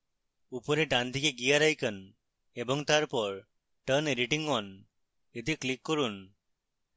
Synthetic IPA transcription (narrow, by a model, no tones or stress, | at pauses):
upɔɾeɖand̪ʱikeɡijaɾajkən | ebɔŋt̪aɾpɔɾ | ʈəneɾiʈiŋɔn | ed̪iklikːɔɾun